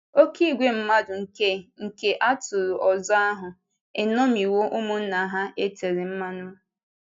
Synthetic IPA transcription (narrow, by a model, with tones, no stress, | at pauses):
o˦ki˦˨ɡʷe˦m̩˦ma˦dʊ˨ŋ̩˨ke˦ŋ̩˨ke˦ʔa˦tʊ˨ɾʊ˨ʔɔ˨zɔ˦a˦ɦʊ˨ | e˨nɔ˦mi˨wo˦ʔʊ˦mʊ˦n̩˦na˨ɦa˦e˦te˨ɾɪ˨m̩˦ma˦nʊ˦